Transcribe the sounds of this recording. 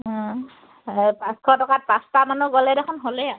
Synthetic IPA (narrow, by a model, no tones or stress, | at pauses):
pãskʰɔtɔkat̚pastamanuɡɔlɛdɛkʰɔnɦolɛa